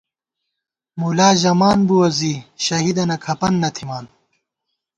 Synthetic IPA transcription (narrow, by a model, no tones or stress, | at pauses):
mulaːʑɐmaːnbuwɐziɕɐɦid̪ɐnɐkʰɐpɐnːɐt̪ʰimaːn